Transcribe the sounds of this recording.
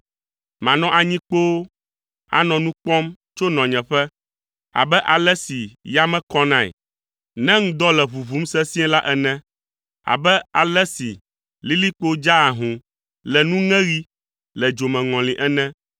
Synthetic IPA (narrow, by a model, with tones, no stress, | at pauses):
mã˨nɔ̃˨ʔa˨ɲĩ˦k͡po˦wo˦ | a̰˦nɔ̃˨nũ˦k͡pɔ̃˦m | t͡ʃo˦nɔ̃˨ɲɛ̃˨ɸɛ˦ | a̰˨bɛ˦ʔa˨lɛ˦si˨ja˦mɛ̃˦kɔ˦nã˦ḭ˨ | nɛ̃˦ŋ̩̃˦d̪ɔ˦lɛ˨βu˨βu˨˦m˦sɛ˦sĩ˦ɛ̃˦la˦ʔɛ˨nɛ̃˦ | a̰˨bɛ˦a˨lɛ˦si˨ | li˦li˦k͡po˦d͡ʒa˦a˨ɦũ˨ | lɛ˨nũ˦ŋɛ̃˦ɾi˦ | lɛ˨d͡ʒo˨mɛ̃˨ŋɔ̃˨li˨ʔɛ˦nɛ̃˦